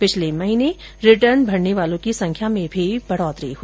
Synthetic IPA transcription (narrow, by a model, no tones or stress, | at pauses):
pɪt͡ʃʰlemɐɦiːne | ɾɪʈəɾnbʱɐɽneʋaːlõkisɐ̃ŋkʰjamẽbʱibɐɽɔːt̪ɾḭɦo